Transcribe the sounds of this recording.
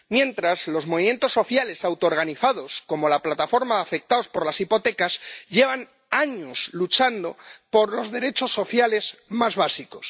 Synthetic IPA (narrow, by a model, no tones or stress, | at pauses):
mjẽ̞nt̪ɾazlo̞zmoβimje̞nt̪o̞sːo̞θjale̞sawt̪ooɾɣaniθaðo̞sko̞mo̞laplat̪afo̞ɾmaðafe̞k̚t̪aospo̞ɾlasipo̞t̪e̞kazʎe̞β̞an | aɲo̞slut͡ʃand̪o̞po̞ɾlo̞zðe̞ɾe̞t͡ʃo̞sːo̞θjale̞zmazβasiko̞s